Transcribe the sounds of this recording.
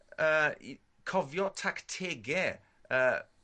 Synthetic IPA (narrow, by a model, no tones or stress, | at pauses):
ə̰ː | kʰɔvjɔtʰaktʰeɡɛ | əː